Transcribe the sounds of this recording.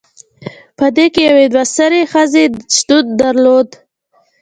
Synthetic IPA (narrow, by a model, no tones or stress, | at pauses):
pəd̪ekejawed̪wast̪əɾexəzeʃd̪̥ud̪ːaɾlod̪